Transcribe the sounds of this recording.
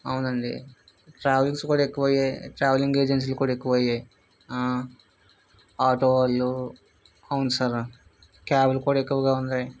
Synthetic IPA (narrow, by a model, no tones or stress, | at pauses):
ɐwunɐɳɖḭ | ʈɾaːʋlikskuːɽae̞kːuʋɐjajʈɾaːʋɐliŋɡe̞ːd͡ʒens̬iːlkuːɽaekːuʋɐjaj | aːʈoːʋalu | ɐwunusaɾ | kaːbɐlkuːɽaekːuʋɐɡaːund̪aj